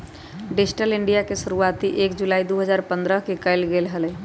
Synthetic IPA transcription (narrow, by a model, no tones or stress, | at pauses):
ɖesʈəlɪɳɖijakeʃuɾuat̪iʔeːkd͡ʒulaːid̪oɦəd͡ʒaːɾpə̃nd̪ɾəɦkekəɪlɡelɦəlɛ